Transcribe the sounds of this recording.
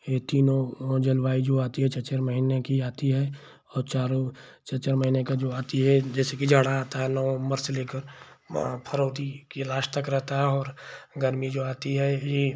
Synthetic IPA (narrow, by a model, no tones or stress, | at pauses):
jet̪iːnõd͡ʒəlwaːid͡ʒoːaːt̪iɦɛt͡ʃɐt͡ʃəɾməɦiːnekiaːt̪iɦɛ | ɔːɾt͡ʃaːɾo | t͡ʃɐt͡ʃəɾməɦiːnekad͡ʒoːaːt̪iɦɛd͡ʒɛːsekid͡ʒaːɽaaːt̪aɦɛnɔməɾseleːkəɾ | pʰəɾoːt̪ikelaːʃt̪əkɾɛɦt̪aɦɛɔːɾɡəɾmid͡ʒoːaːt̪iɦɛje